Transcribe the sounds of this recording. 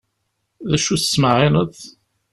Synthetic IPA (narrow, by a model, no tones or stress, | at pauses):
ðæʃuθə̥sməʕɪnəðˤ